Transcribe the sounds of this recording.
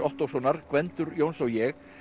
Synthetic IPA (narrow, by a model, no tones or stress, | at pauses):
ɔht̪ɔwsɔwnaɾ̥kvɛnt̪ʏɾjoːwnsawjɛɣ